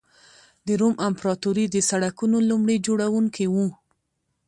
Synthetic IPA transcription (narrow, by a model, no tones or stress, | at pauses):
d̪əɾomampɾɑt̪uɾid̪əsaɽakunolumɽed͡ʒoɽawuŋkiwu